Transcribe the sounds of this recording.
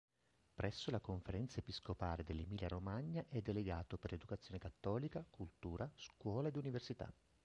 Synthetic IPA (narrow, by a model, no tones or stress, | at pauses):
pɾɛsːolakoɱfeɾɛnt̪saepiskopaːled̪elːimiːljaɾomaɲːaʔɛd̪ːeleɡaːt̪operled̪ukat̪sːjoːnekat̪ːɔːlikakult̪uːɾaskwɔːlaed̪universit̪a̰